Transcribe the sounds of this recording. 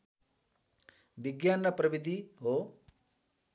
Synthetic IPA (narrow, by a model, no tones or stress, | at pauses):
biɡjanːɐpɾɐbid̪ʱiɦo